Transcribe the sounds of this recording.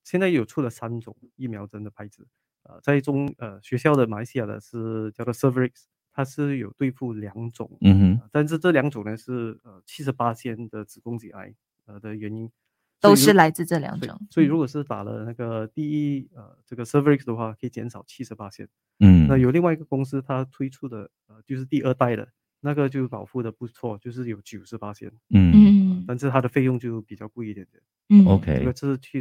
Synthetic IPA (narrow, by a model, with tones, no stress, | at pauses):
ɕjɛ˥˧nt͡sa˥˩ɪjo˨˩ʊʈ͡ʂʰu˥˩lə˩sa˥nʈ͡ʂʊ˨˩ŋi˥˩mjɑ˧˥ʊʈ͡ʂə˥nd̪ə˨pʰa˧˥ɪt͡sɹ̩˨˩˦ | ə̰˧t͡sa˥˩ɪ˥ʈ͡ʂʊ˧˥ŋə˩ɕɥɛ˧˥ɕjɑ˥˩ʊd̪ə˩ma˨˩la˧ɪsi˥ja˨˩d̪ə̰˩ʂɻ̩˥˩t͡ɕjɑ˥˧ʊt͡swɔ˥˩sə˥fə˥ɹi˥ks | t̪ʰa˥ʂɻ̩˥˩jo˨˩ʊt̪we˥˧ɪfu˥˩ljɑ˧˥ŋʈ͡ʂʊ̰˨˩˦ŋə˧t̪a˥˧nʂ̬ɻ̩˥˧ʈ͡ʂɤ˥˩ljɑ˧˥ŋʈ͡ʂʊ˨˩ŋnə˧˦ʂɻ̩˥˩ə˩t͡ɕʰi˥ʂ̬ɻ̩˧˥pa˥ɕjɛ˥nd̪ə˨˩t͡sɻ̩˨˩kʊ˥ŋt͡ɕḭ˨˩a̰˥˩ɪ | ə˧˩d̪ə˩ɥɛ˧˥ni˥n | sɔo˥ʊiʂɻ̩˥˩la˧˥ɪt͡sɹ̩˥˧ʈ͡ʂɤ˥˩ljɑ̰˨˥ŋeʈ͡ʂʊ̰˨˩˦ŋswɔ˧˥i˨˩ɻu˧˥kwɔ˨˩ʂ̬ɻ̩˥˩pa̰˨˩lə̰˦na˥˩ɡə˩t̪i˥˧i˥ə̰˩ʈ͡ʂɤ˥˩ɡə˩sə˥fə˧˥i˥ksd̪ə˩xwa˥˩kʰə˧˥i˨˩t͡ɕjɛ˧˥nʂɑ˨˩ʊt͡ɕʰi˥ʂɻ̩˧˥pa˥ɕʰjɛ̰˥n̩˥˩ | na˥˩jo˨˩ʊli˥˧ŋwa˥˩˧ɡə˩kʊ˥ŋsɹ̩˥t̪ʰa˥t̪ʰwe˥ɪʈ͡ʂʰu˥˩d̪ə˩ | ə˩t͡ɕjo˥˧ʊʂ̬ɻ̩˥˧t̪i˥˧ʔə˥˧t̪a˥˩ɪd̪ə̰˩ | na˥˩ɡə˩t͡ɕjo˥˩ʊpɑ˨˩ʊfu˥˩də˩pu˥˧t͡sʰwɔ˥˩t͡ɕjo˥˧ʊʂ̬ɻ̩˥˩jo˨˥ʊt͡ɕju˨˩ʊʂɻ̩˧˥pa˥ɕʰjɛ̰˥n̩˥˩ | ə˧t̪a˥˧nʂ̬ɻ̩˥˩t̪ʰa˥d̪ə˨fe˥˧ɪjʊ˥˧ŋt͡ɕjo˥˩ʊpi˨˩t͡ɕjɑ˥˧ʊku˥˧i˥˩t̪jɛ˨˩nt̪jɛ̰˨˩n˥˩ | o˧kʰḛ˥ɡə˧ʈ͡ʂə˥˧ʂ̩˥˧˩t͡ɕʰi˥˩